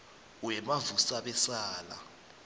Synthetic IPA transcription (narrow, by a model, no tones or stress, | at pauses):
wɛmavusaɓɛsaːla̰